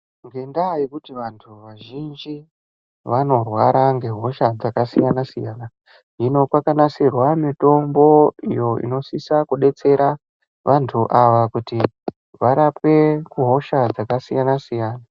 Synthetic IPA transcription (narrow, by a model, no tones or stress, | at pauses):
ŋɡe̞ndajikutiʋantʰuʋaʒind͡ʒi | ʋano̞rwaɾaŋɡe̞ɦo̞ʃad͡zakasijanasḭja̰na | ino̞kwakanasirwamito̞mbo̞ḭjo̞ḭno̞sisakuɗe̞t͡se̞ɾa | ʋʔantʰuʔaʋakuti | ʋaɾape̞kuɦo̞ʃad͡zakasijanasijaːna